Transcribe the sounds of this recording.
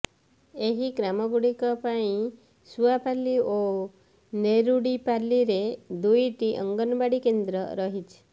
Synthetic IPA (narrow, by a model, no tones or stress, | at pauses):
eɦiɡɾamɔɡuɽikɔpaĩ | suapalio | neɾuɽipaliɾed̪ujʈiʔə̰ŋɡɔnbaɽikend̪ɾɔɾɔɦit͡ʃʰe̥